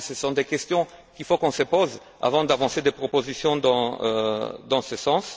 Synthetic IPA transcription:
səsɔ̃d̪ekɛst̪jɔ̃ | kilfokɔ̃səpoz | a̰vɑ̃d̪avɑ̃sed̪epχopozisjɔ̃d̪ɑ̰̃ | d̪ɑ̃səsɑ̃s

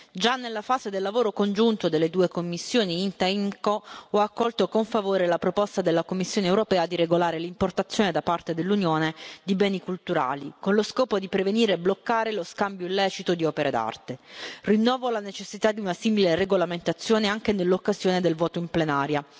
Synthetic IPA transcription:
d͡ʒanːelːafaːzed̪elːavoːɾokond͡ʒunt̪od̪elːed̪uːekomːisːjoːniint̪aiŋkoɔakːɔlt̪okoɱfavoːɾelapɾopɔst̪ad̪elːakomːisːjoːneːwɾopɛːad̪iɾeɡolaːɾelimport̪at̪sːjoːned̪apart̪ed̪elːunjoːned̪ibɛːnikult̪uɾa̰ːlikonloskɔːpod̪ipɾeveniːɾeblokːaːɾeloskambjoilːɛːt͡ʃit̪od̪iɔːpeɾʔed̪a̰rt̪erinːɔːvolanet͡ʃesːit̪ad̪ːiunasimilereɡolament̪at̪sːjoːneaŋk̟enelːokːazjoːned̪elvɔːt̪oimplenaːɾja

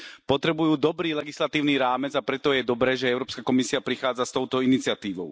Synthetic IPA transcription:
pɔt̪ɾɛbujuːd̪ɔbɾiːlɛɡislat̪iːʊniːɾaːmɛd͡zapɾɛt̪ɔjɛd̪ɔbɾɛːʒɛɛʊɾɔːpskakɔmisiapɾixaːd͡zast̪ɔʊt̪ɔinit͡sɪat̪iːʋɔ̰ʊ

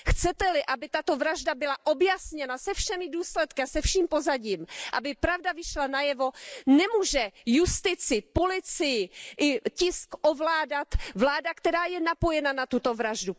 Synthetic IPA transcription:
xt͡sɛt̪ɛlɪʔabɪt̪at̪o̞vɾaʒdabɪlaʔobjasɲɛnasɛfʃɛmɪduːslɛt̪kɪasɛfʃiːmpo̞zaɟiːmʔa̰bɪpɾavdavɪʃlanajɛvo̞nɛmuːʒɛjust̪ɪt͡sɪpolɪt͡sɪjɪʔɪcɪskʔovlaːdat̪vlaːdakt̪ɛɾaːjɛnapo̞jɛnanat̪ut̪o̞vɾaʒdu

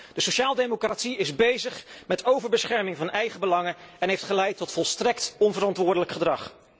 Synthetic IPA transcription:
d̥əsoʃaːlˠdemokratsiɪzbejzəχmɛtowvəɹbəsχɛɹmɪŋvɑnɛjχəbəlɑŋəɛnɦejftχəlɛjtːɔtfɔlˠstrɛktɔnvərɑntʋʊːɹdələkχədrɑχ

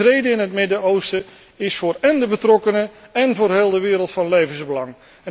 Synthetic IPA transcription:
rejdəɪnɦətmɪdəowstə | ɪsfʊːrɛndəbətrɔkənəɛnvʊːrɦeːlˠdəʋɪːɾəlˠtfɑnlejvənzbəlɑŋ | ɛ

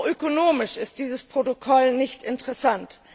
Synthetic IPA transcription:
ʔøkonoːmɪʃɪst̚d̥iːzəspʁ̥otokʰɔlnɪçtɪntəʁɛsant

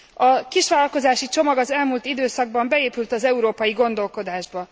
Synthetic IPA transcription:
ɒkiʃʋaːlɒlko̞zaːʃit͡ʃo̞mɒɡɒzɛlmuːlt̪id̪øːsɒɡ̚bɒmbɛeːpylt̪ɒzɛuɾoːpɒjiɡo̞nd̪o̞lko̞d̪aːʒbɒ

